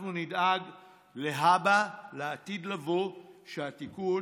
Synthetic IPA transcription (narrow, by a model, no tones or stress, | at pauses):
nunidaɡ | le̞ɦabaleatid̪lavoʃeatiku